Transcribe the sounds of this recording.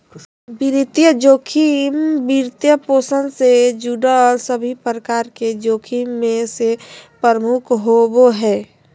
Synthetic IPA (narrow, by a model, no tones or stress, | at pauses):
biɾit̪jəd͡ʒoːkʰimbiɾt̪jəposənsed͡ʒuɖəsəbʱipɾəkaɾked͡ʒoːkʰimːẽsepəɾəmukʰɦoboɦɛː